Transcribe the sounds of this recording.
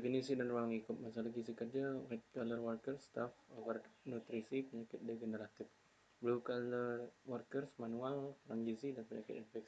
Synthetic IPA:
definisidanruaŋikʊt̪̚mas̬alaɡisikərd͡ʒawɛt̪̚kalərwərkərst̪afovərnut̪ɾisipəɲakɪt̪̚deɡənəɾat̪ɪf | blukalərwərkərsmanualɾaŋɡisidanpəɲakɪt̪infɛks

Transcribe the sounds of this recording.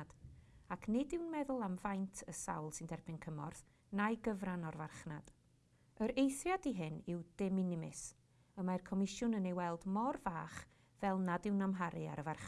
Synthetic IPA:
d̥akʰnɪdɪwnmɛðʊlˠamvajntʰəsa̰wlˠsɨndɛrbɪnkʰəmɔrθ | najɡəvranɔrvarχnad̥ | əɾejθrjadiɦɪnɪwd̥ɛmɪnɪmɪs | əmajrkʰɔmɪʃjʊnənejwɛlˠdmɔrvaːχ | vɛlˠnadɪwnamɦaɾɨa̰ɾəvarχ

